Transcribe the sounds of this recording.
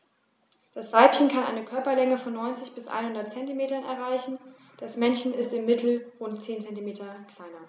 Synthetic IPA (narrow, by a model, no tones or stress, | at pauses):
d̥asv̥aɪpçənkʰanʔa̰ɪnəkʰœɐpɐlɛŋəfɔnːɔʏnt͡sɪçb̥ɪsʔa̰ɪnhʊndɐt̚t͡sɛntimeːtɐnɛɐʁ̞aɪçn̩ | d̥asmɛnçn̩ɪstɪmːɪtʰl̩ʁʊntt͡seːnt͡sɛntimeːtɐkl̥aɪnɐ